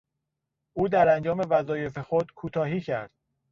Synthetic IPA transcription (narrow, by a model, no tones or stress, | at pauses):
ʔuːd̪æɾænd͡ʒɒːme̞væzɒːje̞fe̞xod̪̥kʰuːt̪ʰɒːɦiːcʰæɾd̪̥̚